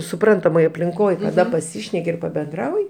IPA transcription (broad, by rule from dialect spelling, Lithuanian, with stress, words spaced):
sʊˈprɐntɐmoːj ɐpʲlʲɪŋˈkoːj kɐˈdɐ pɐˈsʲiːʃʲnʲɛkʲɪ ɪr pɐbʲɛnˈdrɐʊjɪ